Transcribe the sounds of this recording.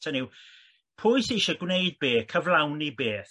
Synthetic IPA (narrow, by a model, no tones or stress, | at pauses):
tʰənɪw | pʰʊɨseʃəɡwnejd̚beːθkʰəvlˠawnibeːθ